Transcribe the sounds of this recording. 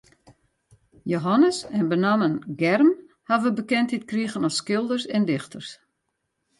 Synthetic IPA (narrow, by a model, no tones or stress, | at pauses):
joɦanəsɛnbənamənɡɛrm | haʋəbəkɛntitkriɣənɔsskɪlˠdərsɛndɪxtʰərs